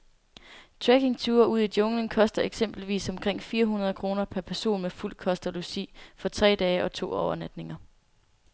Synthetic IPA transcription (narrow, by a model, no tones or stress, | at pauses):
t͡sʰʁeɡ̥e̝ŋt͡sʰuːɐuðˠid̥jɔ̽ŋləŋkʰɒ̽sd̥ɐe̝ɡ̥sem̰b̥l̩ʋḭːsɒ̽mkʰʁeŋ̰fiːɐɦunɐð̞̩ˠkʰʁo̝ːnɐpʰæɐpʰæɐso̝̰ːnmeful̰kʰɒ̽sd̥ɐlusḭfɒ̽t͡sʰʁɛ̰ːd̥ɛːʔɒ̽t͡sʰo̝̰ːɒʊɐnæd̥ne̝ŋɐ